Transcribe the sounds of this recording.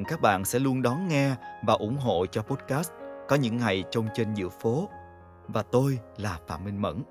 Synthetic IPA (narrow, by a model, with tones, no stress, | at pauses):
kaː˦˥k̚ɓa̰ː˧˨nsɛ̰˧˥lu˧ənɗɔ˨˦nŋɛ˧vaː˨˩ʔʊ̰˧˩˥ŋ͡mɦo̰˧˨t͡ɕɔ˧po˦˥t̚kaː˦˥s̚kɔ˨˦ɲɨ̰˧˥ŋːa˨˩jt͡ɕə˧wŋ͡mt͡ɕe˧nzɨ̰˧˨əfo˨˦ | vaː˨˩t̪o˧jlaː˨˩fa̰ː˧˨mːï˧ŋ̟mə̰˧˥n